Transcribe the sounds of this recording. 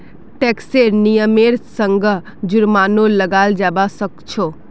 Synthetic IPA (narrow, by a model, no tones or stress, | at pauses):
ʈekseɾnijəmeːɾsəŋɡ | d͡ʒʊɾmaːnoləɡaːld͡ʒaːbasəkt͡ʃʰoː